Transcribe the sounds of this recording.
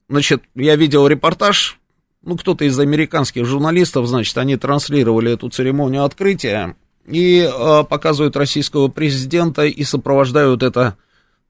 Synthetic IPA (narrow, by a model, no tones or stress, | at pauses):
znat͡ɕɪt̪javʲidʲɪlˠɾʲɪpɐrt̪aʂ | nukt̪o̞t̪əɪzɐmʲɪɾʲɪkanskʲɪxʐʊrnɐlʲist̪əfznat͡ɕɪ̥t̪ɐnʲit̪ɾɐnsʲlʲiɾəvəlʲɪɛt̪ʊt̪sɨɾʲɪmo̞nʲɪjʊɐt̪kɾɨtʲɪjə̰ | iəpɐkazɨvəjʊt̪rɐsʲijskəvəpɾʲɪzʲɪdʲe̞nt̪əʔisəpɾəvɐʐd̪ajʊt̪ɛt̪ə